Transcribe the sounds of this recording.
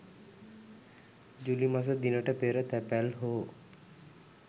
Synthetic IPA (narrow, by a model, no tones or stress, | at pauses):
d͡ʒulimas̬əd̪inəʈəpeɾət̪æpælɦoː